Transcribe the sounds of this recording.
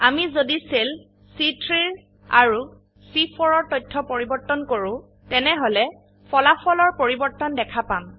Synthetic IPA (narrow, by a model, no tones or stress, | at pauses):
amizodisel | sitɹiɹ | a̰ɹu | sifʰɔɹɔɹtɔjtʰːɔpoɹibɔɹtːɔnkoɹʊ̃ | tɛnɛɦolɛ | pʰɔlafɔlɔɹpoɹibɔɹtɔndɛkʰapam